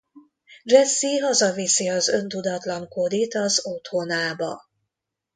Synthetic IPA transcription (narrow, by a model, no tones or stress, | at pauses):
rɛsːiɦɒzɒvisiɒzø̞nt̪ud̪ɒt̪lɒŋkod̪it̪ɒzot̪honaːbɒ